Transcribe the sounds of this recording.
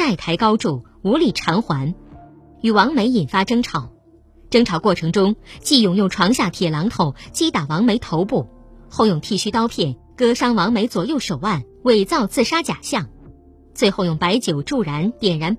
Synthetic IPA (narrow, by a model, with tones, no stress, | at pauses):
a˥˩ɪt̪ʰa˧˥ɪkɑ˥ʊʈ͡ʂu˥˩ | u˧˥li˥˩ʈ͡ʂʰɑ˧˥ŋxwa˧˥n | y˨˩wɑ˧˥ŋme˧˥ɪi˨˩nfa˥ʈ͡ʂɤ˥ŋʈ͡ʂʰɑ˨˩ʊ | ʈ͡ʂɤ˥ŋʈ͡ʂʰɑ˧˥ʊkwɔ˥˩ʈ͡ʂʰɤ˧˥ŋʈ͡ʂʊ˥ŋt͡ɕi˥˧jʊ˨˩ŋjʊ˥˩ŋʈ͡ʂʰwɑ˧˥ŋɕja˥˩t̪ʰjɛ˨˩lɑ˧˥ŋt̪ʰo˨˩ʊt͡ɕi˥t̪a˨˩wɑ˧˥ŋme˧˥ɪt̪ʰo˧˥ʊpu˥˩ | xo˥˧ʊjʊ˥˩ŋt̪ʰi˥˩ɕy˥t̪ɑ˥ʊpʰjɛ˥˩n | kɤ˥ʂɑ˥ŋwɑ˧˥ŋme˧˥ɪt͡swɔ˨˩jo˥˩ʊʂo˨˩ʊwa˥˩n | we˥˩ɪt͡sɑ˥˧ʊt͡sɹ̩˥˩ʂa˥t͡ɕja˨˩ɕjɑ˥˩ŋ | t͡swe˥˧ɪxo˥˧ʊjʊ˥˩ŋpa˧˥ɪt͡ɕjo˨˩ʊʈ͡ʂu˥˩ɻa˧˥nt̪jɛ˨˩nɻa˧˥n